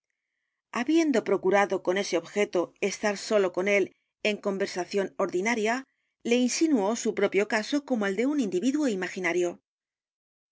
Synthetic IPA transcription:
aβje̞nd̪o̞pɾo̞kuɾaðo̞ko̞ne̞se̞o̞βxe̞t̪o̞e̞st̪aɾso̞lo̞ko̞ne̞l | e̞ŋko̞mbe̞ɾsaθjo̞no̞ɾðinaɾja | le̞insinuo̞supɾo̞pjo̞kaso̞ko̞moe̞ld̪e̞unind̪iβiðuo̞imaxinaɾjo̞

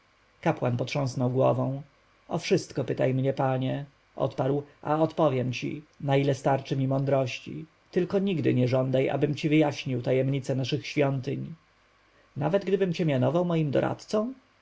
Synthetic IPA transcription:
kapwanpɔt̪ʂɔ̃w̃snɔwɡwɔ̰vɔ̃w̃ | ɔfʂɘst̪kɔpɘt̪ajmɲɛpaɲɛ | ʔɔ̰t̪paɾwʔa̰ɔt̪pɔvʲjɛmt͡ɕḭnailɛst̪aɾt͡ʂɘmʲimɔnd̪ɾɔɕt͡ɕḭ | t̪ɘlkɔɲiɡd̪ɘ̰ɲɛʐɔnd̪ajʔa̰bɘmt͡ɕivɘjaɕɲiwt̪ajɛmɲit̪sɛnaʂɘxɕfʲjɔnt̪ɘɲ | navɛd̪ɡd̪ɘbɘmt͡ɕɛmʲjanɔvawmɔjimd̪ɔ̰ɾʔa̰t̪t̪sɔ̃w̃

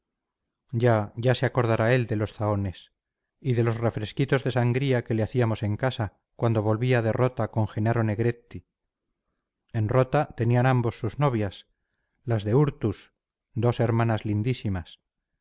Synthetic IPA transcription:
ɟ͡ʝaʝaseako̞ɾð̞aɾae̞ld̪e̞lo̞sθao̞ne̞s | iðe̞lo̞sre̞fɾe̞skit̪o̞zðe̞saŋɡɾiake̞le̞aθiamo̞se̞ŋkasa | kwand̪o̞β̞o̞lβiaðe̞ro̞t̪ako̞ŋxe̞naɾo̞ne̞ɣɾe̞t̪i | e̞nro̞t̪at̪e̞nianambo̞sːuzno̞β̞jas | lazðe̞uɾt̪us | d̪o̞se̞ɾmanazlind̪isimas

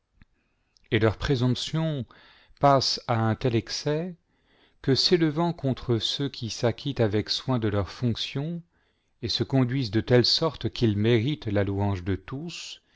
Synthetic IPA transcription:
elœʁpχezɔ̃psjɔ̃ | pasaɛ̃t̪ɛlɛksɛ | kəseləvɑ̃kɔ̃t̪χəsøkʲʰisakʲit̪avɛkswɛ̃d̪əlœʁfɔ̃ksjɔ̃ | esəkɔ̃d̪ɥizd̪ət̪ɛlsɔʁt̪kʲilmeʁit̪laluɑ̃ʒd̪ət̪us

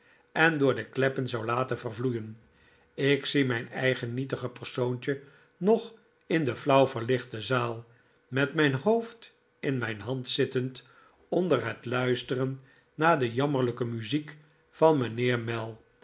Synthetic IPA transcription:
ɛndʊːɹdəklɛpənzɑwlaːtənvərvlujən | ɪksimɛjnɛjχənːitəχəpərsowntə | nɔχ | ɪndəflʌwvəɹlɪχtəzaːlˠ | mɛtmɛjnɦowft | ɪnmɛjnɦɑntsɪtənt | ɔndərɦətlœɥstərənː | aːdəjɑməʁɹləkəmyzik | fɑnmənɪːɹmɛlˠ

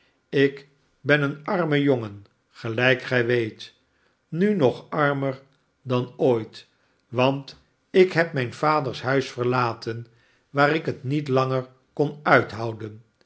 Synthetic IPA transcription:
ɪk | bɛnənɑɹməjoŋən | χəlɛjkχɛjʋejt | nynɔχɑɹməɹ | dɑnoːjt | ʋɑnt | ɪkɦɛp̚mɛjnvaːdəɹsɦœɥsfəɹlaːtən | ʋaːɾɪkətnitlɑŋəɹ | kɔnœɥtɦɑwdən

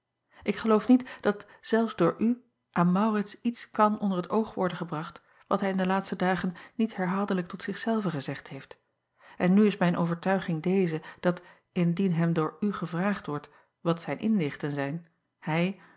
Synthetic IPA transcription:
ʔɪkχəlowfnitd̥ɑtz̥ɛlˠfzdʊːɹʔy | ʔaːnmɑwrɪtsitskɑnɔndəɹɦətowχʋɔɹdənχəbrɑχt | ʋɑtɦɛjɪndəlaːtstədaːχənːitɦɛɹɦaːlˠdələk̚tɔtsɪχsɛlˠvəχəzɛχthejft | ʔɛnːyɪsmɛjnʔo̰wvəɹtœɥχɪŋdejzəd̥ɑt | ɪndinɦɛmdʊːɹyχəvraːχtʋɔɹt | ʋɑtsɛjnʔɪnlɪχtənzɛjn | hɛj

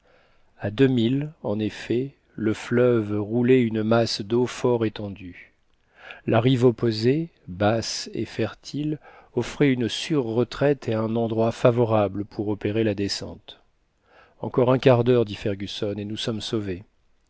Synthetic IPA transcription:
ad̪əmilɑ̃nefɛ | ləflœvʁulɛynəmasd̪ofɔʁet̪ɑ̃d̪y | lʔaʁivɔpoze | basḛfɛʁt̪ʰilɔfχɛynsyʁːət̪χɛt̪ʰeɛ̃nɑ̃d̪ʁwafavɔʁabləpʰuʁɔpeʁelad̪esɑ̰̃t̪ | ɑ̃kɔʁɛ̃kaʁd̪œʁd̪ifɛʁɡʲysɔnenusɔmsove

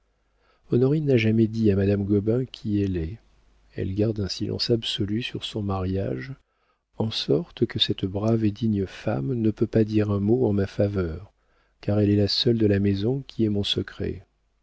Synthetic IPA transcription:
ɔnɔʁinaʒamɛd̪iamad̪amɡɔbɛ̃kʲʰiɛlɛ | ɛ̰lɡaʁd̪ɛ̃silʔɑ̰̃sabsɔlysyʁsɔ̃maʁja̰ʒ | ɑ̃sɔʁt̪kəsɛt̪bʁaved̪iɲəfa̰mnəpøpad̪iʁɛ̃moɑ̃mafavœʁ | kaʁɛlɛlasœld̪əlamɛzɔ̃kʲʰiɛmɔ̃səkχɛ̰

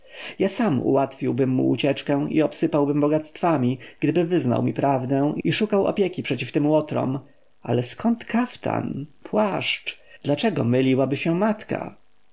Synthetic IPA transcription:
jasamṵwat̪fʲiwbɘmːṵːt͡ɕɛt͡ʂkɛ̃ḭɔpsɘpawbɘmbɔɡat̪st̪famʲiɡ̥d̪ɘbɘvɘzna̰wmʲipɾavd̪ɛ̃iʂukawɔ̰pʲjɛkʲipʂɛt͡ɕift̪ɘmwɔt̪ɾɔ̰m | a̰lɛskɔnt̪kʰaft̪ʰa̰npwaʂt͡ʂ | d̪̥lat͡ʂɛɡɔ̰mɘlʲiwabɘɕɛmat̪ka̰

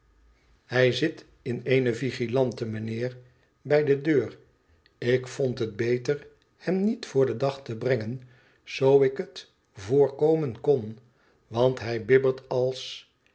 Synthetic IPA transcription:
hɛjzɪt | ɪnejnəviχilɑntəmənɪːɹ | bɛjdədøːr | ɪkfontɦət̚bejtəɹ | hɛmnitfʊːɹdədɑχtəbrɛŋən | z̥owɪkət | vʊːɹkowmənkɔn | ʋɑntɦɛjbɪbəltɑlˠs

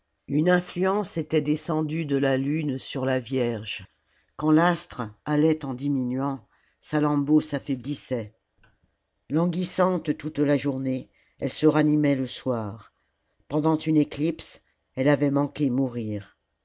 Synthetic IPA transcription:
ynɛ̃flyɑ̃set̪ɛd̪esɑ̃d̪yd̪əlalynsyʁlavjɛʁʒ | kɑ̃last̪χalɛt̪ɑ̃d̪iminɥɑ̃ | salɑ̃bosafɛblisɛ | lɑ̃ɡʲisɑ̃t̪t̪ut̪laʒuʁne | ɛlsəʁanimɛləswaːʁ | pɑ̃d̪ɑ̃t̪yneklips | ɛlavɛmɑ̃kʲemuʁiːʁ

